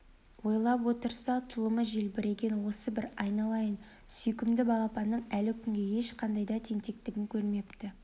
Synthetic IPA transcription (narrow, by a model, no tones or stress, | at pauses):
wo̞jlˠɑpwo̞t̪əɾsɑt̪ʰʊlˠəməʒe̞lbɪɾe̞ɡʲe̞nwo̞səbɪɾɑjnɑlˠɑjən | sʏjkʲɪmd̪ɪbɑlˠɑpɑnːəɴælɪkʲʰʏŋɡʲe̞je̞ʃqʰɑnd̪ɑjd̪ɑt̪ʰe̞ŋt̪e̞k̚t̪ɪɡʲɪŋkʲʰɵɾme̞pt̪ɪ